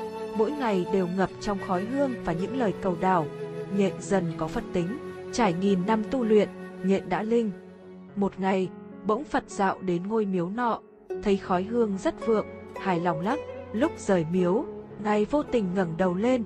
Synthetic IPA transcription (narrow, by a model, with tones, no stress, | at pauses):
mo̰˧˥jŋa˨˩jɗe˨˩wŋə˨˩p̚t͡ɕɔ˧wŋ͡mxɔ˨˦jɦɨ˧əŋvaː˨˩ɲɨ̰˧˥ŋləː˨˩jkə˨˩wɗaː˧˩wɲḛ˧˨nzə˨˩nkɔ˨˦fə˨˩nt̪ï˨˦ŋ̟t͡ɕaː˧˩jŋi˨˩nːa˧mt̪u˧lwḭ˧˨ənɲḛ˧˨nɗa̰ː˧˥lï˧ŋ̟ | mo˨˩t̚ŋa˨˩j | ɓə̰˧˥wŋ͡mfə˨˩t̚z̥a̰ː˧˨wɗe˨˦nŋo˧jmi˨˦əwnɔ̰˧˨ | t̪ʰə˨˦jxɔ˨˦jɦɨ˧əŋzə˦˥t̚vɨ̰˧˨əŋ | haː˧˩jlɔ˨˩wŋ͡mla˦˥k̚lʊ˦˥k͡p̚z̥əː˧˩jmi˨˦əw | ŋa˨˩jvo˧t̪ï˨˩ŋ̟ŋə˧˩nɗə˨˩wle˧n